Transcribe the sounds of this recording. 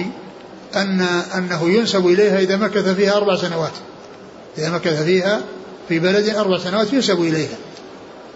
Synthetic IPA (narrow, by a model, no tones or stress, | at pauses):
ʔanːaʔanːaɦʊjʊnsabʔɪlejhaʔɪðamakːat̪afiːhaʔɑɾˤbaʕsanawaːt̪ | ʔɪðamakːat̪afiːha | fibalad̪ʔɑɾˤbaʕsanawaːt̪jʊnsabʔɪlejha